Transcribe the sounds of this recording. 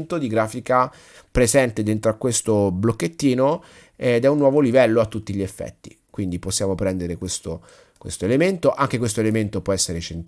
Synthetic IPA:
nt̪od̪iɡɾaːfika | pɾezɛnt̪ed̪ent̪ɾoakːwest̪oblokːet̪ːiːno | ɛd̪ɛunːwɔːvolivɛlːoat̪ːut̪ːiʎiefːɛ̰t̪ːḭkwind̪iposːjaːmopɾɛnd̪eɾekwest̪o | kwḛst̪oelement̪oʔaŋk̟ekwest̪oelement̪opwɔɛsːeɾet͡ʃent̪

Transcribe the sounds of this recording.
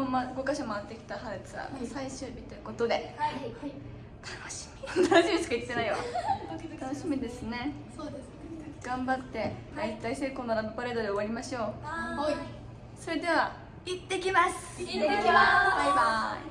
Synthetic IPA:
omaɡo̞kaɕamaat̪ːe̞kʲi̥t̪ahaɾɯt͡sɨβa̰saiɕɨːbʲit̪ojɯ̟ko̞t̪o̞d̪e̞ | t̪ʰḁnoɕi̥mʲit̪anoɕimʲisɨ̥kait̪ːe̞naiβa̰ | t̪anoɕimʲid̪e̞sɨne̞ | od̪e | ɡ̥ãmbat̪ːe̞it̪ːaise̞ːkoːnoɾabɯpaɾe̞ːd̪od̪e̞o̞aɾʲimaɕo̞ː | so̞ɾe̞d̪e̞βa | it̪ːe̞kʲimasɨ̥kaaba

